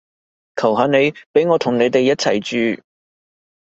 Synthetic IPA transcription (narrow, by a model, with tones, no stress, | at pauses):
kʰɐ˨˩wɦaː˨˧ne˨˧jpe˨˥jŋɔː˨˧t̪ʰʊ˨˩ŋne˨˧jt̪e˨jːɐ˥t̚t͡sʰɐ˨˩jt͡ʃyː˨